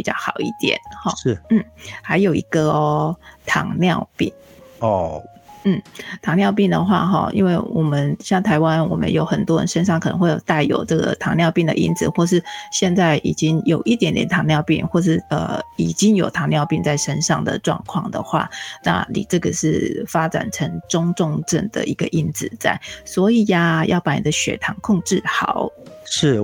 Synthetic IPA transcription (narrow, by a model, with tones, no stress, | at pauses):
pi˨˩t͡ɕjɑ̰˥˩ʊxɑ˨˩ʊḭ˥˩t̪jɛ̰˨˦nhɔ˨˩ʂ̩˥˩n̩˥˩ha˧˥ɪjo˨˩ʊi˧˥ɡə˨ | t̪ʰɑ̰˨˩ŋnjɑ˥˧ʊpḭ˥˩ŋ˨ | n̩˥˩t̪ʰɑ˨˥ŋnjɑ˥˧ʊpi˥˩ŋd̪ə˨xwa̰˥˩xɔ̰˥˩ḭ˥nwe˥˩ɪwɔ˨˩mə˨˦nɕjɑ˥˩ŋt̪ʰa˧˥ɪwa˦nwɔ̰˨˩mə̰˦njo˧˥ʊxə˨˩nt̪wɔ˥ɻə̰˧˦nʂə˥nʂ̬ɑ˥˩ŋkʰɤ˨nə˧˦ŋxwe˥˩ɪjo˨˩t̪a˥˩ɪjo̰˨˩ʊʈ͡ʂɤ˥˩ɡə̰˨˩t̪ʰɑ˧˥ŋnjɑ˥˧ʊpi˥˩ŋd̪ə̰˨ʔḭ˧˥nt͡sɹ̩˨˩xwɔ˥˧˩ʂ̬ɻ̩˥˧ɕjɛ˥˧nt͡sa˥˩ɪʔḭ˨˩t͡ɕi˥ŋjo˨˩ʊʔi˥˩t̪jɛ˧˥nt̪jɛ̰˧˨˥nt̪ʰɑ˧˥ŋljɑ˥˧ʊpḭ˥˩nxwɔ˥˧ʂ̬ɻ̩˥˩ə̰˨˩i˨˩t͡ɕi˥ŋjo˨˩ʊt̪ʰɑ˧˥ŋljɑ˥˧ʊpi˥˧ŋt͡sa˥˩ɪʂə˥nʂɑ̰˥˩ŋd̪ə̰˨˩ʈ͡ʂwɑ̰˥˧ŋkʰwɑ̰˥˩ŋd̪ə̰˨˩xwa̰˥˩na̰˥˧˩nḭ˨˩ʈ͡ʂɤ˥˩ɡə˩ʂɻ̩˥˩fa˥ʈ͡ʂa̰˨˩nʈ͡ʂʰə˧˥ŋʈ͡ʂʊ˥ŋʈ͡ʂʊ˥˧ŋʈ͡ʂə˥˩nd̪ə̰˩ʔi˧˥ɡə˧ʔi˥nd͡zɹ̩˨t͡sa̰˥˩ɪswɔ˧˥i˨˩a˩jʔɑ̰˥˩ʊpa˨˥ni˨˩ə˦ɕɥɛ̰˨˩t̪ʰɑ˧˥ŋkʰʊ˥˧ŋʈ͡ʂɻ̩˥˩xɑ˨˩˦ʊʂɻ̩˥˩